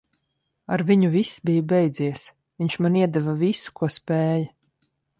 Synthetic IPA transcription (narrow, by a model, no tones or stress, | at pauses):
aɾviɲuvisːbijubɛjd̪ziɛs | viɲʲt͡ʃmaniɛd̪ɛvavisu̥kuɔspɛːjɐ